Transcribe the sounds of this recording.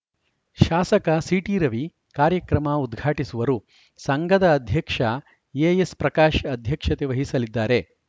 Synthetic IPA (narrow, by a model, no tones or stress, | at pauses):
ʃaːsɐkɐsiʈiːɾɐʋi | kaːɾjɐkɾɐmɐud̪ɡʱaːʈisuʋɐɾu | sɐŋɡɐd̪ɐːd̪ʱjɐkʂɐ | ejespɾɐkaːʃɐd̪ʱjɐkʂɐt̪eʋɐɦisɐlid̪ːaːɾe̞